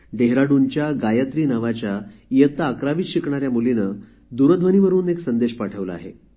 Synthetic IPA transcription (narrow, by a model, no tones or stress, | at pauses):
ɖeɦɾaɽunt͡ɕjaɡajət̪ɾiːnaʋat͡ɕjajət̪aːkɾaʋiːɕikɳaɾjamulinə | d̪uɾəd̪ʱʋəniʋəɾuːneksənd̪eɕpaʈʰəʋləa̰ɦe